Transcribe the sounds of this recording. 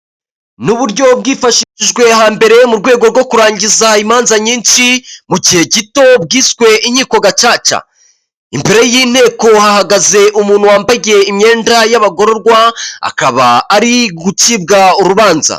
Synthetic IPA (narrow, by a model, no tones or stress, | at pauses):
nuβuɾɟo̞b̚ɡiːfaʃiʃiʒɡwe̞ɦaːmbe̞ɾe̞muɾɡwe̞ːɡo̞ɾɡo̞kuɾaːɲɟizaimaːnzaɲiːnʃimuɟihe̞ɟito̞b̚ɡiːswe̞ʔiɲiːko̞ɡat͡ʃaːt͡ʃa̰ | impeɾejiːn̥he̞ːko̞hahaɡaze̞ʔumuːn̥huwaːmbaɟe̞imɲe̞ːndajaβaɡo̞ɾo̞ɾɡwaa̰kaβa̰ːɾiɡutibɡauɾuβaːnza̰